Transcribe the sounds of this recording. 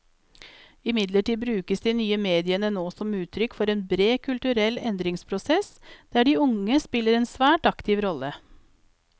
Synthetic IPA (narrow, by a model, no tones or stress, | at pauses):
ɪmɪd̪ləʈiːbɾʉːkəsd̪iːnyːəmeːd̪ɪənənoːsɔmʉːt̪ʰɾʏkfɔɾeːnbɾeːkʰʉlt̪ʉɾɛlːɛnd̪ɾɪŋspʰɾʊsɛsd̪̥æːɖiːʊŋəspɪləɾɛːnsʋæːʈɑkt̪ɪʋɾɔlə